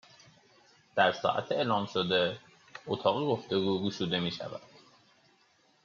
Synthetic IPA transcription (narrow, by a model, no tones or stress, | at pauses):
d̪̥æɾsɒ̰ːʔæ̰t̪ʰeeːlɒːmʃod̪e̞ | ot̪ʰɒːɣeɡo̞ft̪e̞ɡuːɡuʃuːd̪e̞miːʃæ̰væ̰d̪̥